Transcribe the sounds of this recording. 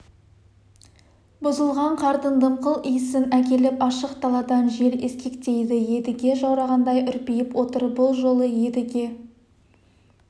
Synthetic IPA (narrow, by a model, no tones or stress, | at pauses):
bʊzəlˠʁɑɴqʰɑɾt̪ənd̪əmqəlˠijɪsɪnækʲe̞lɪpɑʃəqt̪ʰɑlˠɑd̪ɑnʒe̞ɾeskʲe̞kt̪e̞jd̪ɪje̞d̪ɪɡʲe̞ʒɑwɾɑʁɑnd̪ɑjʔʏɾpijɪpwo̞t̪əɾbʊlˠʒo̞lˠəje̞d̪ɪɡʲe̞